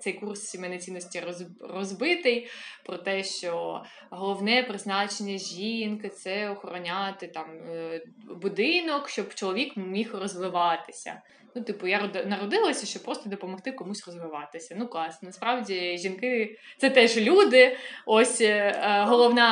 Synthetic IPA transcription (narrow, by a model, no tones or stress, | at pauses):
t̪sɛjkurssʲimɛnɛt͡sʲinːɔsʲtʲirɔrɔzbɪt̪ɪjpɾɔt̪ɛʃt͡ʃɔ | ɦɔlˠɔwnɛpɾɪznɑt͡ʃenʲːɐʒʲinkɪt̪sɛɔxɔɾɔnʲɑt̪ɪt̪ɑm | bʊd̪ɪnɔkʃt͡ʃɔbt͡ʃɔlˠɔʋʲikmʲixrɔzʋɪʋɑt̪ɪ̥sʲɐ̰ | nut̪ɪpʊjaɔd̪nɐɾɔd̪ɪlˠɐsʲɐʃt͡ʃɔpɾɔst̪ɔd̪ɔpɔmɔxt̪ɪkɔmusʲrɔzʋɪʋɑt̪ɪsʲɐnuklˠɑsnɐspɾɑwdʲiʒʲinkɪt̪sɛt̪ɛʒlʲud̪ɪɔsʲɦɔlˠɔwnɑ